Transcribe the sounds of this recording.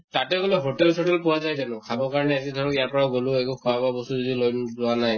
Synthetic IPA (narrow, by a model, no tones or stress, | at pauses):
tatɛɡoleɦotɛlsʰɔtɛlpʊwazajtanʊkʰabɔɹkaɹɔnɛazidʱɔɹɔkijaɹpɔɹaʊɡolʊɛkukʰɔababɔstuzidilojnzʊanaj